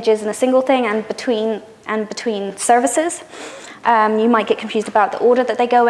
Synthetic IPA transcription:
d͡ʒɪzɨ̃nəsɪ̃ŋɡəlˠθɪ̃ŋə̃nbɨtʰw̥ĩn | ʔə̃nbɪtʰw̥ĩnsɜ˞vɨsɪz̥ | ʔʌ̃jəmaɪt̚ɡ̥ɛʔ̚kʰɱfjʉːzdəbaʊʔ̪̚ðḭʔɔːɾə˞ðət̪̚ðeɪɡoʊ

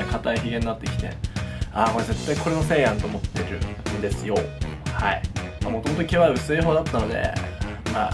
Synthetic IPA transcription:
ɾikʰat̪aiçiɡẽ̞ɲːnat̪ːe̞kʲi̥t̪e̞̰aːko̞ɾeze̞t̪ːaiko̞ɾe̞no̞se̞ːjãnt̪o̞ːmo̞t̪ːe̞ɾɯ̟̰nd̪e̞sɨjo̞haḭmamo̞t̪omo̞t̪o̞kʲiβaɯ̟sɨiɦoːd̪at̪ːano̞d̪e̞̰maː

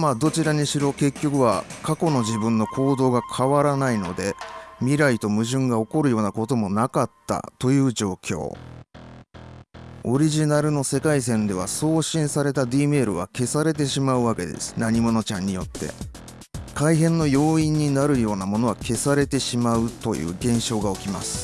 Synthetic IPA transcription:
maːd̪o̞t͡ɕiɾaɲ̟iɕiɾo̞ke̞kʲːo̞kɯ̟βa̰kako̞no̞ʑibɯ̟̃nːo̞kʰo̞ːd̪o̞ːɡakʰaβaɾanaino̞̰d̪e̞mʲiɾait̪o̞mɯ̟ʑɨ̃ŋɡao̞ko̞ɾɯ̟jo̞ːnako̞t̪o̞mo̞nakat̪ːa̰t̪o̞jɯ̟ːʑo̞ːkʲo̞̰ː | o̞ɾʲiʑinaɾɯ̟no̞se̞kais̬ẽ̞nd̪e̞β̞a̰so̞ːɕĩɰ̃saɾe̞t̪ad̪iːme̞ːɾɯ̟β̞a̰ke̞saɾe̞t̪̬e̞ɕimaɯ̟βake̞̰d̪e̞̰sɨ̥naɲ̟imo̞no̞t͡ɕãɲ̟ːijo̞t̪ːe̞̰ | kaiɦẽ̞nːo̞jo̞ːĩɲ̟ːinaɾɯ̟jo̞ːnamo̞no̞βake̞saɾe̞t̪e̞ɕimaɯ̟t̪o̞̰jɯ̰ːɡẽ̞ɰ̃ɕo̞ːɡao̞kʲimasɨ̥

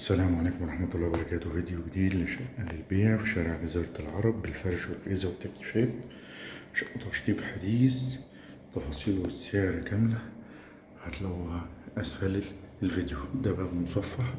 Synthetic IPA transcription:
ʔʔæsːælæːmʕalæːkmwɑɾˤɑħmæt̪ɑlːɑːhbɑɾˤɑkæːt̪wvid̪juɡd̪iːd̪lɪʃæʔʔælɪlbeːʕfiʃæːɾɪʕbɪzɑːɾˤɑlʕɑɾˤɑbːɪlfɑɾˤʃwɪlʔɪzæwɪt̪ːæki̥fæːt̪ | ʃæʔt̪ɑʃt̪ˤiːbħad̪iːs | t̪ˤːɑfɑːsˤiːlwɪsːeʕeɾkæmlæ | hat̪læwːɪhæʔæsfæl | lvid̪jud̪æbæːbmosˤɑfːɑħ

